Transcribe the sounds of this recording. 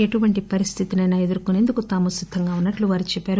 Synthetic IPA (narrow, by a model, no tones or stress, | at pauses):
eʈuʋɐɳʈipɐɾist̪ʰit̪inɐnɐjɐd̪uɾkune̞ːnd̪ukut̪aːmusid̪ʱːɐŋɡaːunːɐʈluʋaːɾit͡ʃɛpːaːɾu